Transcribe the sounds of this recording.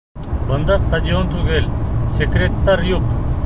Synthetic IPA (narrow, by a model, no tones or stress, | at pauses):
bənd̪ast̪ʰad͡ʑiont̪ʰuɡelʲsekɾet̪ːaɾjuq